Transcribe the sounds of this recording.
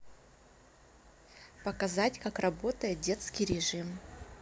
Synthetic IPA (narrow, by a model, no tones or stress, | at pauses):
pəkɐzatʲkakrɐbo̞t̪əjɪt̪̚dʲe̞t̪skʲijɾʲɪʐɨm